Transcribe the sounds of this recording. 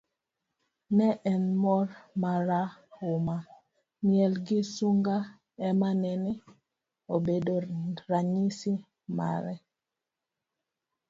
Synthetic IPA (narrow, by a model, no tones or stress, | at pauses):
nɛʔɛnmɔɾmaɾaʊma | mjɛlɡɪsuŋɡa | ɛmanɛni | obedoɾaɲisi | ma̰ɾɛ